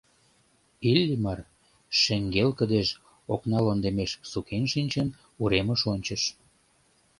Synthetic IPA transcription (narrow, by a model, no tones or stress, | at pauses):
ilʲːimɑr | ʃeŋɡelkə̆d̪eʃ | oknɑlond̪emeʃsukenʃinʲt͡ɕen | uɾeməʃonʲt͡ɕəʃ